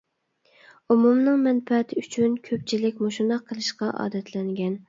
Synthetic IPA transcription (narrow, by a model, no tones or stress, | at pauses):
umumnɨŋmɛnfɛt̪ʰɪyt͡ʃʰynkʲʰøp̚t͡ʃʰilɪkʲmoʃund̪ɑqʰːəlˠɨʃqɑʔɑ̰ːd̪ɛt̪ʰlɛŋɡʲɛn